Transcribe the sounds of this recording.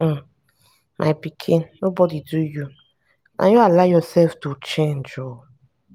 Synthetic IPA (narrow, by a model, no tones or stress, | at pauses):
mʔa̰jpikʰinobɔdiduju | nʔa̰jɔalajɔsɛlftut͡ʃẽnd͡ʒɔ